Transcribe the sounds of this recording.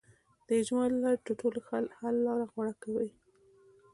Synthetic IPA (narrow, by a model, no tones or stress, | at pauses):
d̪̥əɪd͡ʒmɑlaʈəʈolxahalːɑɾaɣwaɽakawi